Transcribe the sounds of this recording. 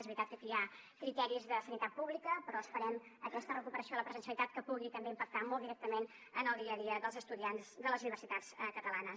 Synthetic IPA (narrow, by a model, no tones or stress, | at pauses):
ezβɾit̪at̪̚kəkiakɾit̪ɛɾizðəsənit̪at̪̚puβlikəpɾɔəspəɾɛməkɛst̪ərəkupəɾəsioələpɾəzənsiəlit̪at̪̚kəpuɣit̪əmbeimpək̚t̪amɔlˠd̪iɾɛkt̪əmen | ənəlˠd̪iəðiəðəlˠzəst̪uðianzd̪ələzuniβərsit̪at͡skət̪əlanə